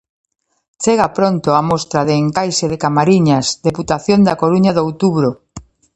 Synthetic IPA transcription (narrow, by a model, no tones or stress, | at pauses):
t͡ʃeɣapɾont̪ʊamost̪ɾaðeːŋkajseðɪkamaɾiɲasðeput̪aθjond̪ɐkoɾuɲɐðowt̪uβɾo